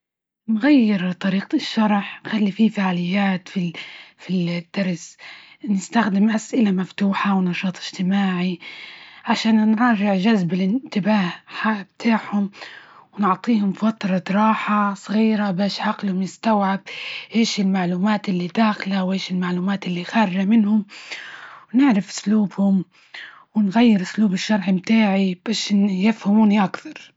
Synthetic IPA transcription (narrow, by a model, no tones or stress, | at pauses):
nɣajːɪɾt̪ˤɑɾiːq̚ʃːɑɾˤħnxalːififaʕalɪjːaːt̪fifid̪̥ːɑɾˤs | nɪst̪axd̪ɪmʔasʔɪlamaft̪uːħawnɑʃɑːt̪ˤɪʒ̥t̪ɪmaːʕi | ʕaʃaːnnɾˤɑːʒɪʕʒazbɪlɪnt̪ɪbaːhħabt̪ʰaːħhʊmwnʊʕt̪ˤiːhʊmfat̪ɾˤɑɾˤɑːħasˤɣiːɾabaːʃʕaqlhʊmjɪst̪awʕab̚heːʃɪlmaʕluːmaːt̪ʔɪlːid̪aːxlawʔeːʃɪlmaʕluːmaːt̪ɪlːixɑɾˤʒamɪnhʊm | wnɪʕɾɪfʔʊ̥sluːbhʊm | wɪnɣajːɪɾʔʊsluːbɪʃːɑɾˤħmt̪aːʕib̥aːʃjɪfhamuːniʔakθɑɾˤ